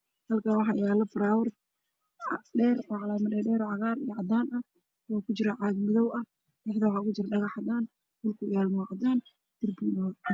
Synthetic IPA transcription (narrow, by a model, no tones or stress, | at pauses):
hɐlkʰaːwɑħɑːɪjaːlɐbɾaːwɐr | ɖɛːrɔːʕɑlaːmɐdɛːɖɛːɾɔːʕɑʁaːɾijɐʕɑd̪aːnɐ | waːkʰʊt͡ʃɪɾɐʕɑɡmɪðɔwɐ | ɪħt̪ɐwħɑʊɣʊt͡ʃɪɾɗɐɣɑħɑd̪aːn | d̪ʊlkʰʊɪjaːlmɔqɑd̪aːn | d̪̥ɪrbunɔ